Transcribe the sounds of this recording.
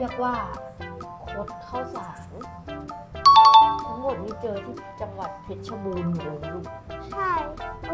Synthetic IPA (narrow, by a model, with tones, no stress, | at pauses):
i˥˩ək̚waː˧˥˩ | kʰo˦˥t̪̚kʰa˥˩wsaː˩˦ŋ | t̪ʰa˦˥ŋmo˨˩t̪̚miː˧˥˩t͡ɕɤː˧t̪ʰiː˥˩t͡ɕa˧ŋwa˨˩t̪̚pʰi˦˥t̪̚t͡ɕʰa˧buː˧nmu˨˩˨j | t͡ɕʰa˥˩